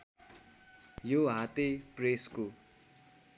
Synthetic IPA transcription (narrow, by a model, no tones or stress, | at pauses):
joɦat̪epresko